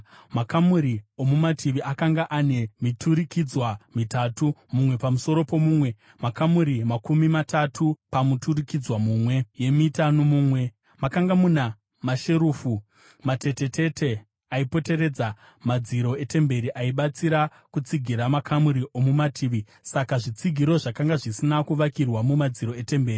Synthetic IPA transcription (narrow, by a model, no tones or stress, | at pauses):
makamuɾio̞mumatʰiʋiʔakaŋɡaʔane̞mitʰuɾikid͡zwamitatumumwe̞pamuso̞ɾo̞po̞mumwe̞ | makamuɾimakumimatatʰupamuturikid͡zwamuːmwe̞je̞mitanomuːmwe̞ | makaŋɡamuna | maʃeɾuːfu | mate̞te̞te̞tʰe̞ | aipo̞te̞ɾe̞d͡za | mad͡ziɾo̞e̞te̞mbe̞ɾiʔaiɓat͡siɾa | kut͡siɡʱiɾamakʰamuɾiʔo̞mumatʰiːʋi | sakaʐit͡siɡʱiɾo̞ʐakaŋɡaʐisinakuʋakirwamumad͡ziɾo̞e̞te̞mbe̞ːri